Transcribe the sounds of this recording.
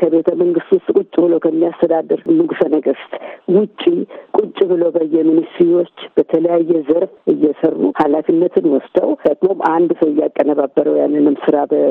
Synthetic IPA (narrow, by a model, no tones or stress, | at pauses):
kʰəβe̞t̪ʰəməŋɡɨst̪wʊst̪ʼkʼut͡ʃʼːbɨlokʰəmːijast̪ʰəd̪ad̪əɾmɨɡsənəɡɨst̪ʼwʊt͡ʃʼːikʼut͡ʃʼːβɨlobəjːɛmɨnɨst̪ɾiwo̞t͡ʃːb̥ət̪ʰələjajːɛzəɾfɨjːɛsərːṵhalafinːət̪ʰɨnwɔsd̪ə̰wd̪əɡmomʔand̪səwɪjːakʼːənəβabːəɾəwja̰nːɨnɨmsɨɾabə